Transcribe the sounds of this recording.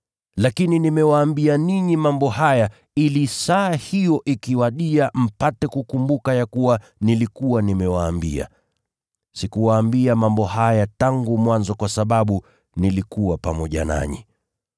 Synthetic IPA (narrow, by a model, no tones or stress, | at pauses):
lakininimɛwaːmbianiɲimambɔhaja | ilisahijɔʔikiwaɗiam̩patɛkukumbukajakuwa | nilikuwanimɛwaːmbḭa̰ | sikuwaːmbiamambɔhajataŋɡumwanzɔkwasaɓaɓu | nilikuwapamɔʄa̰na̰ɲḭ